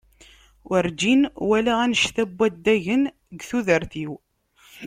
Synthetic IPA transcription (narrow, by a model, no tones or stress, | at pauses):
əɾd͡ʒinwælæænəʃθæbːæd̪ːæʝən | ɡθuðəɾθiw